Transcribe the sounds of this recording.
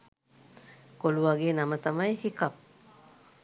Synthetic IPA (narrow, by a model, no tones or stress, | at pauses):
koluʋaɡeːnɐmət̪ɐmɐjhikɐp̚